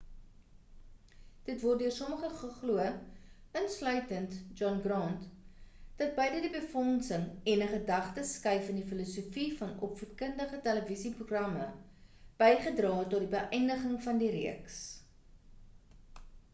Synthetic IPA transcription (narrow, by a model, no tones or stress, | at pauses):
d̥ətvɔrt̚døərsɔməχəχəχluə | ənslœɥtəntd͡ʒɔnɡrɑntd̥ɐt̚bəjdədibəfɔnsəŋɛnəχədɐχtəskɐjfəndifilosufifɐnɔpfurtkəndəχətɛləvisipruχrɐmə | b̥ɛjχədrɑːtɔt̚dibəʔɛjndəχəŋfɐndiɾiəks